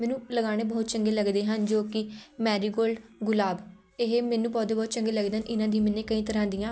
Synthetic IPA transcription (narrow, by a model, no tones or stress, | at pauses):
mɛ̃ːnũːləɡaːñeːbɔːt̪t͡ʃəŋɡeːləɡd̪eːɦənd͡ʒoːkɪmɛːɾiːɡoːlɡʊlaːb | ɪɦemɛ̃ːnũːbɔːt̪eːbɔːt̪t͡ʃə̃ŋɡeːləɡd̪eːɦənʔɪnãːd̪ĩːmɪnẽːkəĩːt̪əɾãːd̪ɪjãː